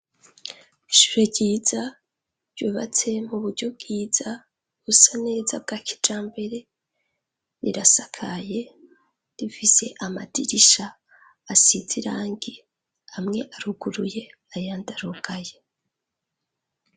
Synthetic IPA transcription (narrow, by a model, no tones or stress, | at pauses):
iʃu̥ɾeɟiːza | ɾɟuːβa̰t͡se̞muβuɾɟo̞b̚ɡiːz̥a | ɡusane̞ːzab̚ɡaːkʰi̥d͡ʒaːmbe̞ɾe̞ | ɾḭɾasakʰaje̞ | ɾifise̞ʔamadiɾiʃaː | siziɾaːŋɡi | amŋe̞ʔaɾuɡuɾuje̞ | ajaːndaɾuɡaje̞